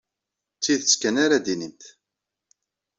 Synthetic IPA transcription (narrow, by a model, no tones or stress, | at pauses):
t͡sːiðət͡skænaɾad̪inint̪